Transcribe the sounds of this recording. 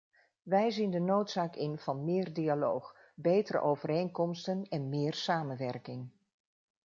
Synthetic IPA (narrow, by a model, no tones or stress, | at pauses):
ʋɛjzindənowtsaːkɪnv̥ɑnmɪːrdialowχ | bejtəɾə̰ʔowvəɾejnkɔmstənɛnmɪːrsaːmənʋɛrkɪŋ